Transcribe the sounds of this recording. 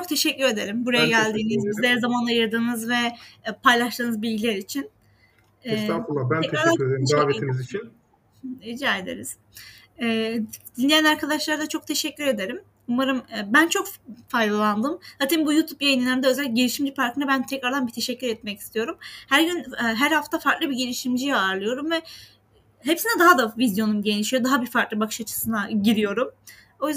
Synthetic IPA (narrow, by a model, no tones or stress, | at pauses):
t͡ʃʰok̚t̪ʰe̞ʃɛcːyɾe̞d̪e̞ɾimbuɾajaaɟælʲd̪iːnizizd̪ɛɾzamanˠajɯɾd̪ɯːnɯzvɛpʰajlˠaʃt̪ɯːnɯzbilʲɟilʲeɾit͡ʃʰin | ɛsaːfuabænɛaɾd̪aeɡaːveinizit͡ʃʰin | id͡ʒaed̪e̞̰ɾiz̥ | ɛːd̪inːʲijænaɾkʰad̪aʃlˠaɾd̪ˠat͡ʃʰo̞k̚t̪ʰe̞ʃɛcːyɾe̞d̪e̞ɾim | umaɾɯmːbænt͡ʃʰo̞kfajd̪alˠand̪ɯmhat̪ʰimbujuːt̪ʰupjajininæɾmnd̪ɛø̞zælʲːc̚ɟeliʃimd͡ʒipʰaɾkʰɯnabænt̪ʰɛcɾaɾd̪anbit̪ʰe̞ʃɛcʰːyɾɛt̪̚mɛci̥st̪ʰijo̞ɾumhæɾɟynɛɦæɾhaft̪ʰafaɾt̪lˠɯbiɟelʲiʃimd͡ʒijaːɾlˠɯjo̞ɾumvɛ | ɦepsinɛd̪aɦad̪avizjo̞numɟeniʃijod̪aɦabifaɾk̪lˠɯbakʰɯ̥ʃat͡ʃʰɯ̥sɯnaɟiɾijo̞ɾum | o̞jyz